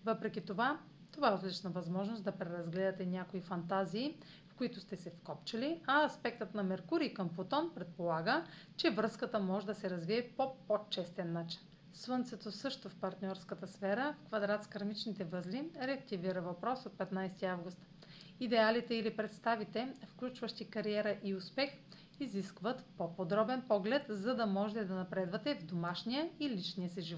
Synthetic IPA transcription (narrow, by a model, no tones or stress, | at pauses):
vɤpɾɛk̟ʲit̪ova | t̪ovaɛot̪lit͡ʃnəvɐzmɔʒnosd̪ɐpɾɛɾɐzɡlɛd̪ɐt̪ɛnʲakoifɐnt̪aziː | fkʊit̪ʊst̪ɛsɛfkɔpt͡ʃɐliɐːspɛk̚t̪ət̪nɐmɛɾkuɾiːkəmpot̪ɔnpɾɛt̪̚polˠaɡə | t͡ʃɛvɾɤskət̪əmɔʒɛd̪ɐsɛɾɐzviɛpopot͡ʃɛst̪ɛnːat͡ʃi̥n | svɤnt̪sɛt̪osɤʃt̪ofpɐɾt̪nʲɔɾskət̪əsfɛɾəfkvɐd̪ɾat̪skɐɾmit͡ʃnit̪ɛvɤzliɾɛɐk̚t̪iviɾəvɐpɾɔsot̪̚pɛt̪najst̪iavɡʊst̪ | id̪ɛalit̪ɛilipɾɛt̪st̪avit̪ɛfklʲut͡ʃvəʃt̪ikɐɾiɛɾəʔiʊspɛx | iziskvət̪popod̪ɾɔbɛnpɔɡlɛt̪zɐd̪ɐmɔʒɛt̪ɛd̪ɐnɐpɾɛd̪vɐt̪ɛvd̪omaʃnijəilit͡ʃnijəsiʒivɔtt̪